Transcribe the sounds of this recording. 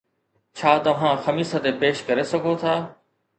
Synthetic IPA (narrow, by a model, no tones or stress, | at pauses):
t͡ɕʰaːt̪ɐʋ̤ãːxɐmiːsət̪epeːʃkɐɾesɐɡʱot̪ʰaː